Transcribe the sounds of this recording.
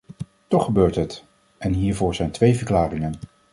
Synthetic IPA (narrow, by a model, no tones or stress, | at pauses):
tɔχːəbøːɹtɦət | ʔɛnɦiːɹvʊːɹzɛjntʋejvəɹklaːrɪŋən